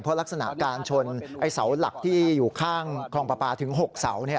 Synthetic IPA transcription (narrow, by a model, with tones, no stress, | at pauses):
pʰɔ˦˥la˦˥k̚sa˧na̰˨˩ʔkaː˧nt͡ɕʰo˧nʔa˧jsa˩˦wla̰˨˩k̚t̪ʰiː˥˩juː˨˩kʰaː˥˩ŋkʰɔː˧ŋpaː˧paː˧t̪ʰɯ˩˦ŋɦo˨˩k̚sa˩˦wni˦˥˩